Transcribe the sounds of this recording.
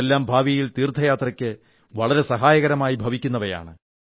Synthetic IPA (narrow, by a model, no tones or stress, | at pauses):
elːaːmbʱaːʋiɐjilt̪iːrd̪ʱːɐjaːt̪rɐkʲːɨ | ʋɐɭɐɾe̞sɐɦaːjɐɣɐɾɐmaːjibʱɐʋikʲːunːɐʋɐja̰ːɳɨ